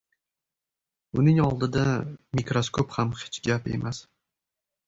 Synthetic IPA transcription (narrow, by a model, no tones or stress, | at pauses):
ʊnɪŋɒlˠd̪ɪd̪amikɾoskʰophamhe̥t͡ʃɡʲape̞̰mas